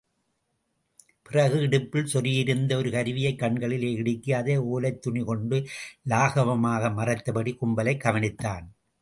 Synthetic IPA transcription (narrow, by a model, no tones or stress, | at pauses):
pɪrɐɣɯɪɽɯpːɪlsɔrɪjɪɾɯnd̪ɐɔɾɯkɐɾʋɪjɐɪkːɐɳɡɐɭɪleːɪɽɯkːɪjaːðeoːlɐɪt̪ːʊɳɪkɔɳɖɯlaːɣɐʋɐmaːɣɐmɐrɐt̪ːɐpɐɽikʊmbɐlɐɪkːɐʋɐnɪt̪ːaːn